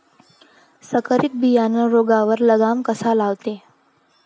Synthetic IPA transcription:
səkəɾik̪̚bijanəɾoɡaʋəɾləɡamkəsalaʋt̪e

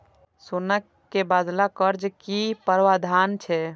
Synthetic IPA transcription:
sonəkːebad̪lakəɾd͡ʒkipəɾʋad̪ʱant͡ʃʰɛ

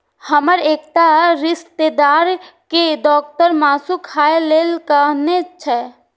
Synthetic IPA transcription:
həməɾeːkt̪aɾɪst̪ed̪aːɾkeɖ̪ɔːk̚t̪əɾmaːsukʰaːeleːlkanet͡ʃʰɛ

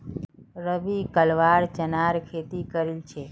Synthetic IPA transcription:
ɾəʋikəlʋaɾt͡ʃənaɾkʰet̪ikəɾilt͡ʃʰe

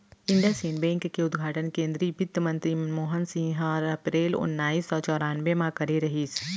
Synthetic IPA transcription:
ɪ̃ɳɖijasiːnbɛ̃ːŋkːeʊd̪ɡʱaːʈənkẽːnd̪ɾiːbɪd̪əmɐ̃nt̪ɾimoːɦənsĩːɦəɾɐpɾeːlʊ̰nːaːiːsɔːt͡ʃɔːɾaːnʋemãkɐɾeɾɐɦiːs

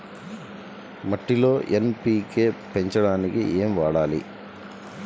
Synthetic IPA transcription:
mɐʈːilo̞ːʔenpiːkeːpe̞ɲt͡ʃɐɽaːnikḭʔeːmʋaːɽaːlḭ

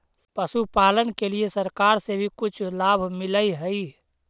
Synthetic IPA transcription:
pəsupaːlənkeliesəɾkaːɾsebʱikʊt͡ʃʰlaːbʱmɪləiɦəi

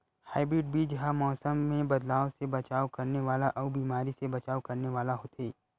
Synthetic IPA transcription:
haːɪbɾɪːɖ̚bʱiːd͡ʒɦamɔːsəmːẽbɐd̪laːosebɐt͡ʃaːokɐɾneʋaːlaʔɔːbiːmaːɾisebɐt͡ʃaːokɐɾneʋaːlaɦot̪ʰeː

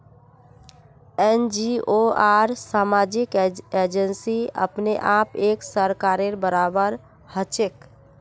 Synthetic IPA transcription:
end͡ʒioaɾsamad͡ʒiked͡ʒənsiə̰pneʔapeksəɾkaɾeɾbəɾabəɾ | hət͡ʃek

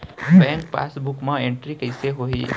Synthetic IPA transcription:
bɛ̃ːŋkpa̰ːsbʊkmãẽɳʈɾikɐɪseɦoːḭ

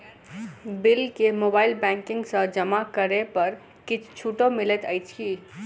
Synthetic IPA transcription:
bilkemobailbɛ̃ŋkĩŋɡsə̃d͡ʒəmakəɾepəɾ | kit͡ʃʰt͡ʃʰuʈomilet̪əjt͡ʃʰki

